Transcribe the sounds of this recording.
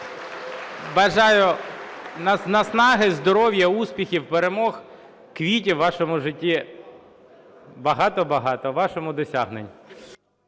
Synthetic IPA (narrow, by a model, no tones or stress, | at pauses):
bɐʒɑjʊ | nɐnɐsnɑɦɪzd̪ɔɾɔwjɐuspʲixʲiwpeɾemɔx | kʋʲit̬ʲiwːɑʃɔmʊʒɪtʲːi | bɐɦɑt̪ɔbɐɦɑt̪ɔʋːɑʃɔmʊd̪ɔsʲaɦnenʲ